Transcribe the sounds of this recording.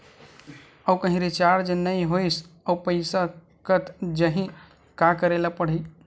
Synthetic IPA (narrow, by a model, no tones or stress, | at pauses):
əwkə̃ɦĩɾit͡ʃaɾd͡ʒenəjɦojs | əupəɪsa | kət̪ʰd͡ʒəɦĩ | kakəɾelapəɽ̤i